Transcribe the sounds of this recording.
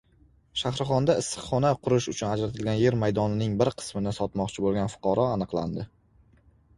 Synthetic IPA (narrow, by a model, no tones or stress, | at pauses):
ʃahɾɨχɒnd̪aɪsːɨ̥χːɒnaqʰʊɾʊʃʊt͡ʃʰʊnad͡ʒɾat̪ʰɪlɡʲanje̞ɾmajd̪ɒnɪnɪŋbɪɾqʰɨ̥smɪnɪsɒt̪mɒqt͡ʃʰɪbolˠɡʲanfʊ̥qʰɑɾʔɒanɨqlˠa̰nd̪ɪ